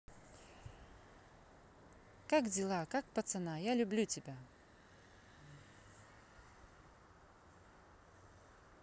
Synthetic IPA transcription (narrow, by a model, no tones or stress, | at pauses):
kakdʲɪlˠakakpɐt̪sɨnajalʲʊblʲutʲɪbʲa